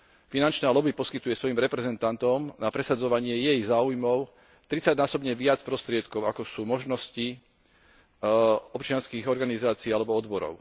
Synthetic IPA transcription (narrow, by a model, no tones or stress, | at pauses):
finant͡ʃnaːlɔbipɔskit̪ujɛsʋɔjimɾɛpɾɛzɛnt̪ant̪ɔmnapɾɛsad͡zɔʋaɲɪɛjɛjzaːujmɔʊ | t̪ɾit͡saɟnaːsɔbɲɛʋɪat͡spɾɔst̪ɾɪɛt̪kɔʊakɔsuːmɔʒnɔsci | ɔpt͡ʃɪanskiːɣɔɾɡanizaːt͡siːalɛbɔɔd̪bɔɾɔ̰ʊ